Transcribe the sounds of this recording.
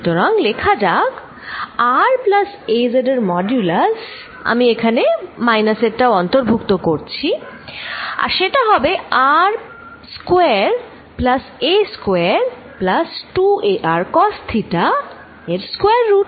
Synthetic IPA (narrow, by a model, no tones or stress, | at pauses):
t̪oɾaŋlekʰad͡ʑaɡ | aɾplasezeɖeɾmɔd͡ʑulas | a̰miekʰanemajnaseʈaoɔnt̪oɾbʱukt̪okoɾt͡ɕʰi | a̰ɾʃeʈaɦɔbeaɾ | skoeɾ | plaseskoeaaɾ | plasʈuʔeʔaɾkɔst̪ʰiʈa | eɾskoeaɾːu